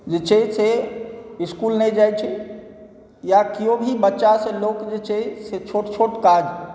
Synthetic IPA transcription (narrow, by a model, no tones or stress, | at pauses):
d͡ʒet͡ʃʰese | iskulnɛd͡ʒajt͡ʃʰɛ | jakijõbʱibətːʃasẽlokd͡ʒet͡ʃʰeset͡ʃʰoʈt͡ʃʰoʈkad͡ʒ